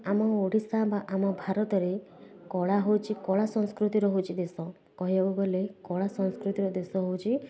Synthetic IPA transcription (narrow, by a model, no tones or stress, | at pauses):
amɔoɽisabaʔamɔbʱaɾɔt̪ɔɾe | kɔɭaɦowt͡ʃʰikɔɭasɔ̃ŋ̃skɾut̪iɾɔɦot͡ʃʰid̪esɔ | kɔɦieuɡɔlekɔɭasɔ̃ŋskɾut̪iɾɔd̪esɔɦowt͡ʃʰi